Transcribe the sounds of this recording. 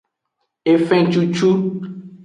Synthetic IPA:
e˨fɛ̃˦˨t͡ʃu˦t͡ʃu˦

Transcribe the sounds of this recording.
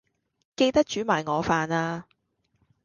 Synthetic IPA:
ke˧jt̪ɐ˥k̚t͡ʃyː˨˥maː˨˩jŋɔː˨˧faː˨˧naː˧

